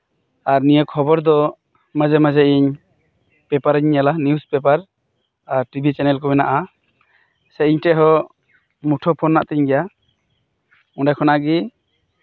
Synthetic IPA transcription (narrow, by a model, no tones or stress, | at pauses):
aɾnijəkʰɔbɔɾd̪ɔ | məd͡ʒɛməd͡ʒɛiɲ | pɛpaɾiɲːalaniuspɛpaɾ | aɾʈibʱit͡ʃɛnɛlkɔmɛnaʔa | sɛiɲʈɛʔɦɔ | muʈʰɔpʰɔnːaʔt̪ɛɲɡɛja | ũɖakʰɔnaɡi